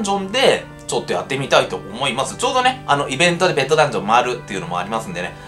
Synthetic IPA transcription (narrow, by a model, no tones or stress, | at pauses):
d͡ʑõ̞nd̪e̞ | t͡ɕo̞t̪ːojat̪ːemʲit̪ait̪o̞ʔomo̞imasɨ̥t͡ɕo̞ːd̪o̞ne̞ano̞ʔibẽ̞nt̪o̞d̪e̞be̞t̪ːo̞d̪ãɲ̟d͡ʑõ̞mːaːɾɯ̟t̪ːe̞iɯ̟no̞mo̞̰a̰ɾʲimasɨ̃nd̪e̞ne